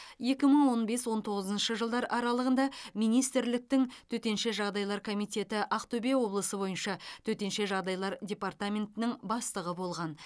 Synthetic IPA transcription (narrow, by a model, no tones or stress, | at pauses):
je̞kʲɪməɴwo̞nbe̞swo̞nt̪ʰo̞ʁəzənʃəʒəlˠd̪ɑɾɑɾɑlˠəʁənd̪ɑmijnijst̪ɪɾlɪk̚t̪ɪŋt̪ʰɵt̪e̞nʃe̞ʒɑʁd̪ɑjlˠɑɾkʰo̞mijt̪ʲe̞t̪ɪʔɑqt̪ʰɵbe̞wo̞blˠəsəbo̞jənʃɑt̪ʰɵt̪e̞nʃe̞ʒɑʁd̪ɑjlˠɑɾdʲe̞part̪amʲe̞nt̪ɪnɪŋbɑst̪əʁəbo̞lˠʁɑn